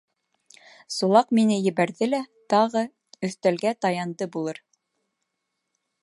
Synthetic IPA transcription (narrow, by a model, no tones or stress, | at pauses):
sulˠɑqminɘjɘ̆βæɾðɘlæt̪ɑʁɤ | ɵ̆θt̪ælɡæt̪ɑjɑnd̪ɤbulˠɤɾ